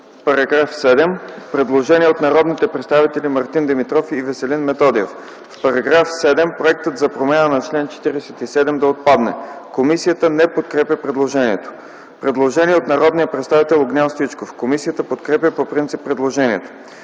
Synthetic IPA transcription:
fpɐɾɐɡɾafsɛd̪ɛmpɾɛd̪lˠoʒɛniɛot̪nɐɾɔd̪nit̪ɛpɾɛt̪st̪avit̪ɛlimɐɾt̪ind̪ɛmit̪ɾɔfivɛsɛlinmɛt̪ɔd̪iɛ̰f | fpɐɾɐɡɾafsɛd̪ɛmpɾoɛk̚t̪ət̪zɐpɾomanənɐt͡ʃlɛnt͡ʃɛ̥t̪iɾɛsɛt̪isɛd̪ɛmd̪ɐot̪̚pad̪nɛ̰komisijət̪ənɛpot̪̚kɾɛpʲjəpɾɛd̪lˠoʒɛniɛt̪o̥ | pɾɛd̪lˠoʒɛniɛot̪nɐɾɔd̪nijəpɾɛt̪st̪avit̪ɛlˠoɡnʲalˠst̪it͡ʃkofkomisijət̪əpot̪kɾɛpʲjəpopɾint̪sipːɾɛd̪lˠoʒɛniɛt̪o̥

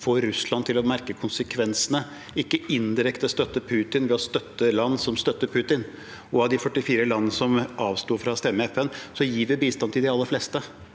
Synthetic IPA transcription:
foːɾːʉslɑnt̪ʰɪlɔmæɾkəkʰʊnsəkʰʋɛnsənə | ɪkːəɪnd̪ɪɾɛkt̪əst̪œt̪ːəpʰʉːt̪ɪnʋɛɔst̪œt̪ːəlɑnːsɔmst̪œt̪ːəɾpʰʉːt̪ɪn | ɔɑʋd̪ɪfœʈːɪfiːɾəlɑnːəsɔmɑːʋst̪uːfɾɑst̪ɛmːəɛfɛnsɔjiːʋɪbiːst̪ɑnt̪ʰɪld̪ɛɑlːəflɛst̪ə

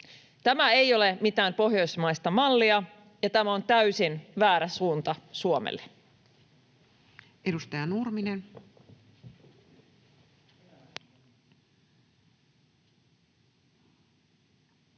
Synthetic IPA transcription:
t̪æmæe̞jo̞lemit̪æːmpo̞ɦjo̞jsmɑist̪ɑmɑlːiɑ | jɑt̪æmæo̞nt̪æysinʋæːɾæsuːnt̪ɑsuomḛlːe | edust̪ɑjɑnurminen

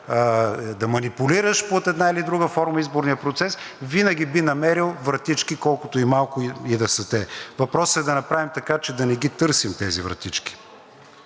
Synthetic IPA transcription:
d̪ɐmɐnipʊliɾəʃpot̪ɛd̪nailid̪ɾuɡəfɔɾmɐizboɾnijəpɾot̪sɛs | vinɐɡ̟ʲibinɐmɛɾilˠvɾɐt̪it͡ʃkikɔlˠkʊt̪oimalˠkʊid̪ɐsɐt̪ɛvɐpɾɔsəɛd̪ɐnɐpɾavimt̪ɐkat͡ʃɛd̪ɐnɛɡit̪ɤɾsimt̪ɛzivɾɐ̰t̪it͡ʃki̥

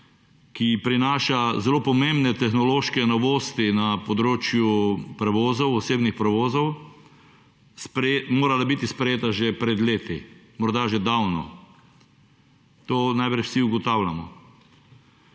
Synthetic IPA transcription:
kipɾinaːʃazɛlopɔmembnɛt̪ɛxnɔloːʃkɛnɔʋoːst̪inapɔd̪ɾoːt͡ʃjupɾɛʋoːzɔwɔseːbnixpɾɛʋoːzɔw | spɾɛmoːɾalabit̪ispɾɛjeːt̪aʒɛpɾɛd̪leːt̪i | mɔɾd̪aʒɛd̪awnɔ̰ | t̪oːnajpɾɛt͡ʃwsiuɡɔt̪awlʲamɔ

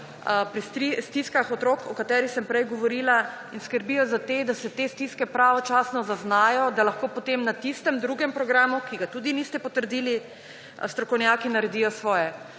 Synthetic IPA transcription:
pɾist̪ɾist̪iskaxɔt̪ɾokʰɔkat̪ɛːɾixsɛmpɾɛjɡɔʋɔɾila | inskəɾbijɔzat̪ed̪asɛt̪est̪iskɛpɾaʋɔt͡ʃaːsnɔzaznaːjɔd̪alaxkoːpot̪emnat̪ist̪ɛmd̪ɾuɡɛmpɾɔɡɾaːmukiɡat̪ud̪inist̪ɛpɔt̪əɾd̪ili | st̪ɾɔkɔwnjaːkinaɾɛd̪ijɔsʋɔːjɛ

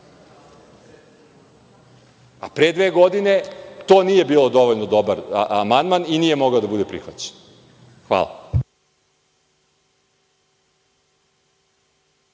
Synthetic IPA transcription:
apɾed̪ʋeːɡod̪ine̞t̪oːniːje̞biːlˠo̞d̪o̞ʋoʎnod̪o̞baɾamand̪maniniːje̞mo̞ɡaod̪abud̪epɾḭxʋat͡ɕe̥n | xʋa̰lˠa̰

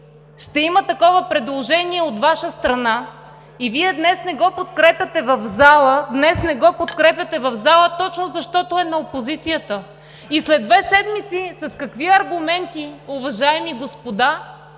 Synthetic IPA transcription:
ʃt̪ɛimət̪ɐkɔvəpɾɛd̪lˠoʒɛniɛot̪vaʃəst̪ɾɐna | iviɛd̪nɛsnɛɡɔpot̪kɾɛpʲɐt̪ɛvɐvzalˠəd̪nɛsnɛɡɔpot̪kɾɛpʲjɐt̪ɛvɐvzalˠət̪ɔt͡ʃnozɐʃt̪ɔt̪oɛnɐopozit̪sijət̪ə | islɛd̪ːvɛsɛd̪mit̪sisɐskɐkviɐɾɡʊmɛnt̪iʊvɐʒaɛmiɡospod̪a

